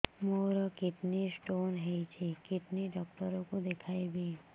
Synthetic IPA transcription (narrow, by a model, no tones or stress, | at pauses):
moɾəkɪt̪nisʈonɦəjt͡ʃʰekɪt̪niɖɔk̚ʈəɾokõd̪ekʰajbʱi